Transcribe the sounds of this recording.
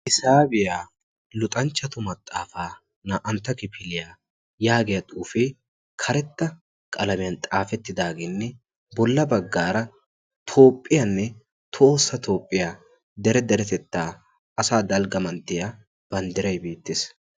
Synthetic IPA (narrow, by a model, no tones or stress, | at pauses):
ʔɪsaːbɪjaː | lʊt̪ʼɐnt͡ʃːɐt̪ʊmɐt̪ʼːaːfaː | naːʔɐnt̪ːɐkɪpʰɪlɪjaː | jaːɡɪjɐt̪ʼuːfeː | kʰɐɾɛt̪ːɐ | kʼɐlɐmɪjɐnt̪ʼaːfɛt̪ːɪd̪aːɡeːnːɛ | bɔlːɐbɐɡːaːɾɐ | t̪ʰo̞ːpʼːɪjɐnːɛ | t̪ʰoːsːɐt̪ʰo̞ːpʼːɪjaː | d̪ɛɾɛd̪ɛɾɛt̪ɛt̪ːaː | ɐsaːd̪ɐlɡɐmɐnt̪ːɪja | b̥ɐnd̪ɪɾɐjbeːt̪ːeːs